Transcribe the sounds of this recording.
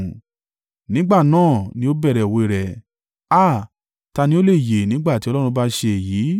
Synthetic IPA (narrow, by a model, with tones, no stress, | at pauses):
nĩ˦ɡ͡ba˦˨nãː˦˨nĩ˧˦o˦bɛ˦˨ɾɛ˨o˨we˧˦˨ɾɛ˨ | a˦˨ | ta˧nĩ˧˦o˦le˦˨je˨nĩ˦ɡ͡ba˦˨ti˨˦ɔ˧˦lɔ˦ɾ̃ũ˧ba˦ʃe˧˨jiː˨˦